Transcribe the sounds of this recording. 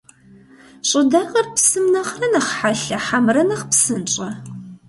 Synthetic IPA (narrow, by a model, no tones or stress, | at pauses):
ɕʼɪdɐʁɐrpsɨmnɐχrɐnɐχħaɬɐħamrɐnɐχpsɨnt͡ʃʼɐ